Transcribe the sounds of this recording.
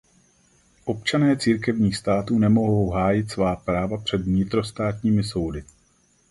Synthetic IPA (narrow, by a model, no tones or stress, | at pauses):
ʔo̞pt͡ʃanɛːt͡siːɾkɛvɲiːxst̪aːt̪uːnɛmo̞ɦo̞wɦaːjɪt̪svaːpɾaːvapr̝̥ɛd̪vɲɪt̪ɾo̞st̪aːt̪ɲiːmɪso̞wdɪ